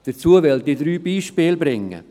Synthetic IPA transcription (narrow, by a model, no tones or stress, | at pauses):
d̥ət͡suəvɛldidɾyːbiːʃpeːlbɾɪŋːə̰